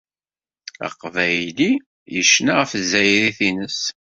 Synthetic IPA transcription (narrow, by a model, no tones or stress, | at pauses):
ə̰qːvæjli | jəʃːnaʁəfzːæjɾiθinəs